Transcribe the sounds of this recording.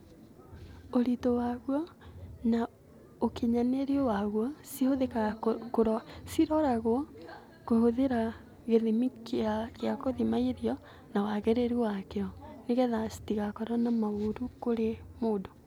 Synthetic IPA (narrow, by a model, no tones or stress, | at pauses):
oɾitowaɣwɔna | okeɲaneɾiowaɣwɔsihoðekaɣkoɾɔsiɾɔɾaɣwɔ | kohoðeɾa | ɣeðemikeaɣjakoðimaiɾjɔ | nawaɣɛɾeɾiwakeɔneɣɛðasi̥tiɣakɔɾanamaoɾukoɾemoːdo